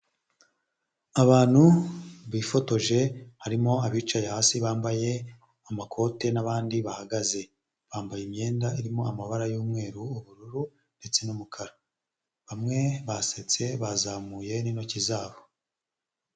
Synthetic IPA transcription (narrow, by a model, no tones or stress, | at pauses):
aβaːn̥huβiːfo̞to̞ʒe̞haɾimo̞aβiːt͡ʃajahaːsiβaːmbaje̞ | amakʰo̞ːte̞naβaːndiβahaɡaze̞ | βaːmbajemɲe̞ːndaiɾimo̞amaβaɾajuːmŋe̞ːɾuːβuɾuɾu | nde̞t͡se̞numukʰaɾa | βamŋe̞βaset͡se̞βazamuːje̞nino̞cizaːβo